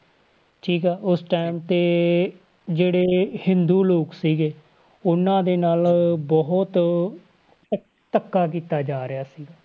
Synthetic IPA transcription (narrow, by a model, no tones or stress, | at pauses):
ʈʰiːkɛːʔʊsʈaːɪmt̪eː | d͡ʒeːɽeːhɪnd̪uːloːksiːɡeː | ʊnãːd̪eːnaːlbɔɦʊt̪ | ʈ̪əkːaːk̬iːt̪aːd͡ʒaːɾɪjaːsiːɡaː